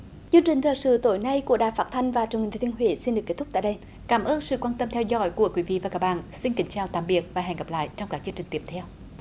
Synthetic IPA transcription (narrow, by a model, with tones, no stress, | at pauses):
t͡ɕɨ˧əŋt͡ɕï˨˩ŋ̟t̪ʰəː˨˩jsɨ̰˧˨t̪o˨˦jna˧jku˧˩əɗaː˨˩faː˦˥t̚t̪ʰa˧jŋ̟vaː˨˩t͡ɕnht̪ʰːt̪ʰːɦwi˨˦si˧nɗɨ˨˩əkːe˦˥t̪ʊ˥k͡p̚t̪aː˧˨jɗə˧j | kaː˨˦mʔəː˧nsɨ̰˧˨kwaː˧nt̪ə˧mt̪ʰɛ˧wzɔ̰˧˦jku˧˩əkwi˨˦vḭ˧˨vaː˨˩kaː˦˥k̚ɓa̰ː˧˨nsi˧nkï˨˦ŋ̟t͡ɕaː˨˩wt̪aː˧˨mɓi˨˩ət̚vaː˨˩ɦɛ̰˨˧˩ŋɣa˨˩p̚la̰ː˧˨jt͡ɕɔ˧wŋ͡mkaː˦˥k̚t͡ɕɨ˧əŋt͡ɕï˨˩ŋ̟t̪i˧˩m̚t̪ʰɛ˧w